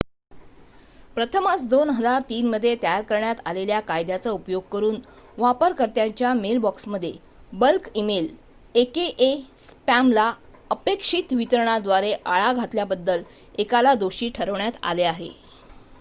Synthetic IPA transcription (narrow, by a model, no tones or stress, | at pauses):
pɾət̪ʰəmat͡sd̪onɦəd͡zaɾt̪iːnməd̪ʱːjet̪əjaɾkəɾɳjat̪aleljakajd̪jat͡səupjoɡ̚kəɾuːnʋapəɾkəɾt̪jaɲt͡ɕjamelbɔksməd̪ʱːje | bəlkimel | ekeʔespæmla | əpekʂit̪ʋit̪əɾɳ̃ad̪ʋaɾeʔaɭaɡʱat̪ljabəd̪ːəl | ekalad̪oɕiːʈʰəɾəʋɳjat̪a̰leaɦḛ